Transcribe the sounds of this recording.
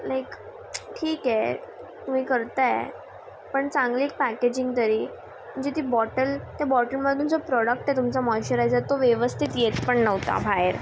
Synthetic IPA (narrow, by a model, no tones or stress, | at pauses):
lajk | ʈʰiːkɛ | t̪um̤iːkəɾt̪aḛ | pəɳt͡sãŋɡliːk̚pæked͡ʑĩŋɡt̪əɾiː | m̤əɳd͡ʑet̪iːbɔʈəlt̪jabɔʈəlməd̪und͡zopɾɔɽək̚ʈɛt̪umt͡samɔjɕəɾajd͡zat̪ːoʋjeʋəst̪ʰit̪jet̪pəɳnəʋt̪a̰bʱaeɾ